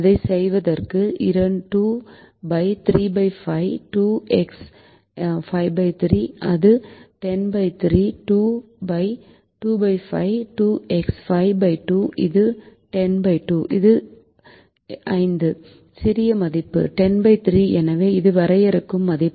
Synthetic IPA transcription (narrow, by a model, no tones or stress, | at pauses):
ɐðɐɪsɛjʋɐðɐrkɯʔɪɾɐɳʈuː | bɐɪt̪ɪɾiːbɐɪfɐɪʈuːɛks | fɐɪbɐɪt̪ɪɾiːɐðɯʈɛnbɐɪt̪ɪɾiːʈuː | bɐɪ | ʈuːbɐɪfɐ̰ɪʈuːɛksfɐɪbɐɪʈuːʔɪðɯʈɛnbɐɪʈuːʔɪðɯ | ʔɐɪnd̪ɯ | sɪɾɪjɐmɐðɪpːɯ̰ʈɛnbɐɪt̪ɪɾiːɛnɐʋeːɪðɯʋɐɾɐjɛɾɯkːɯmːɐðɪpː